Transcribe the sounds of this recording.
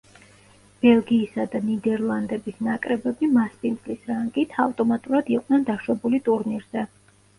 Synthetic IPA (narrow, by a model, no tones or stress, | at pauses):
b̥ɛlˠɡiːsad̪anid̪ɛɾlˠand̪ɛbisnakʼɾɛbɛbimaspʼint̪sʼlisɾaŋɡit̪ʰavt̪ʼɔmat̪ʼuɾad̪iqʼnɛnd̪aʃwɛbulit̪ʼuɾniɾz̥ɛ